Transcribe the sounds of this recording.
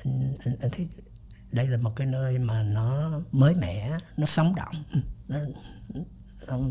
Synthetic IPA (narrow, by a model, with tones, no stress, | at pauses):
ʔt̪ʰi˨˦ | ɗə˧jlaː˨˩mo˨˩t̚kaː˨˦jnəː˧jmaː˨˩nɔ˨˦məː˨˦jmɛ̰˧˨nɔ˨˦sə˨˦wŋ͡mɗɔ̰˧˨wŋ͡mnɔ˨˦˧ | wŋ͡m